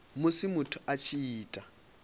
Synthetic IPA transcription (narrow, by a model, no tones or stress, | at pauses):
mʊsimʊtʰʊat͡ʃʰiiːtʼa